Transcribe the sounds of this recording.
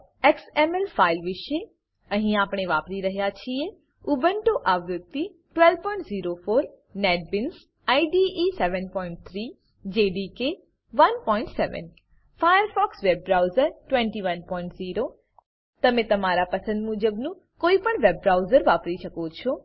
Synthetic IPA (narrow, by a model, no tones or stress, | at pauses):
ɛksemɛlfʰailʋɪʃe | əɦĩaːpɽ̃eʋaːpɾiɾəɦjat͡ʃʰie | ʊbəɳʈoʔaʋɾʊd̪i | ʈʋɛlʋpɔ̃ĩɳʈziːɾofoːɾ | nɛːʈ̚bɪns | aiɖiisɛʋənpɔĩɳʈ̚t̪ʰɾi | d͡ʒeɖike | ʋɐnpɔɪ̃ɳʈsɛʋə̰n | fʰajəɾfʰɔːksʋebɾawzəɾʈʋɛ̃ɳʈiʋənpɔĩɳʈziːɾo | t̪əmẽt̪əmaɾapəsə̃nd̪mud͡ʒəbnũ | koːipəɳʋebɾawzəɾʋaːpɾiʃəkot͡ʃʰo